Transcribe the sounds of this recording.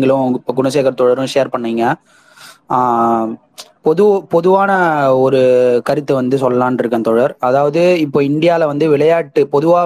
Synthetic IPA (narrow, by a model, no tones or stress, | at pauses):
ŋɡɐɭʊ̃ɪpːoɡʊɳɐs̬eːkɐɾɐt̪ːɔɽɐɾʊ̃ʂeːɾpɐɳːiːŋɡɐ | pɔðɯpɔðɯʋaːnɐɔɾɯkɐɾɪt̪ːɯʋɐnd̪ɯsɔlːɐlãːnɪɾɯkːɐ̃nt̪ɔɽɐɾɐðaːʋɐðɯɪpːoːɪɳɖɪjaːlɐʋɐnd̪ɯʋɪɭɐjaːʈːɯpɔðɯʋaː